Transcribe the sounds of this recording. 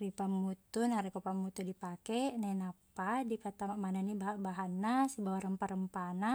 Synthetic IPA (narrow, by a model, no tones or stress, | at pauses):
ripamːut̪unaɾikupamut̪udipakɛnanapadipat̪amaʔmananibabaɦanːasibawaɾəmpaɾəmpana